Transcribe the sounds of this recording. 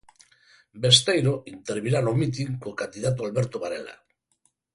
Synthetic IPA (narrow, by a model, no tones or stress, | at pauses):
be̞st̪ejɾoʔint̪eɾβiɾanomit̪̬iŋkokand̪iðat̪̬oalβeɾt̪oβaɾḛla̰